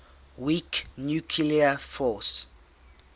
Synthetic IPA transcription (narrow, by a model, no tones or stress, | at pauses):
wiknjukʰiliəfɔs